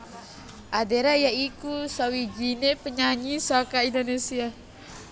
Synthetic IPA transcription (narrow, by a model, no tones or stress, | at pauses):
ʔadeɾajaikusawid͡ʒinepəɲaɲisakaindonesia